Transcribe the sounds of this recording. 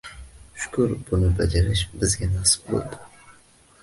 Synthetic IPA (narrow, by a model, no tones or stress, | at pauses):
ʃʊ̥kʰʊɾbunɨbad͡ʒaɾɪʃbɪzɡʲanɑsɨ̥p̚bo̰lˠd̪ɨ̥